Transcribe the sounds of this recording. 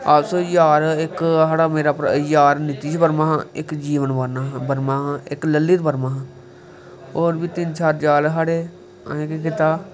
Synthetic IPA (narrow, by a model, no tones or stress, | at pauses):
asoːjaːɾɪkɦaːɽaːmeːɾaːpəɾjaːɾnɪt̪iːt͡ʃbəɾmãːɦãːɪkd͡ʒiːʋənbənaːɦbəɾmãːɦãːɪkləlːiːt̪bəɾmãːɦãː | oːɾbiːt̪ɪnt͡ʃʰaːɾd͡ʒaːlɦaːɽeː | əẽːkikɪt̪aː